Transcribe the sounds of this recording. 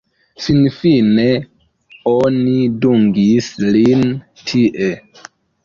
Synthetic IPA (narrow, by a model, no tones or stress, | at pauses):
sinfine | oniduŋɡislin | tʰiʔe